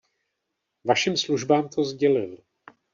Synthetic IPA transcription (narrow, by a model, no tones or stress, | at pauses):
vaʃimsluʒbaːmt̪ʰo̞zɟɛlɪl